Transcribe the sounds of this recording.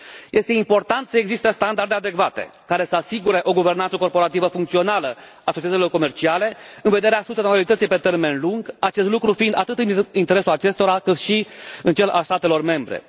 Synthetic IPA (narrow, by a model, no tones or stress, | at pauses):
je̞st̪e̞impo̞rt̪ant̪səeɡzist̪est̪and̪ard̪ead̪e̞kvat̪e̞̰kaɾe̞səasiɡuɾe̞ʔo̞ɡuve̞rnantsəko̞rpo̞ɾat̪ivəfuŋkt̪sio̞nalə | asot͡ʃet̪əsʲilo̞rko̞me̞rt͡ʃiale̞ɨnve̞d̪e̞ɾeasuset̪maolit̪ət̪sijpe̞t̪e̞rme̞nluŋɡat͡ʃe̞st̪lukɾufind̪at̪ɨt̪ɨnint̪e̞ɾe̞sulat͡ʃe̞st̪o̞ɾakɨt̪ʃiɨnt͡ʃe̞la̰lst̪at̪e̞lo̞rme̞mbɾe̞̰